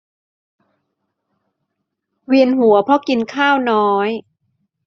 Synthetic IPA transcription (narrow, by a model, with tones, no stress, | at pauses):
wi˧ənɦu˩˦ɐpʰɾɔ˦˥ki˧nkʰaː˥˩wnɔː˦˥j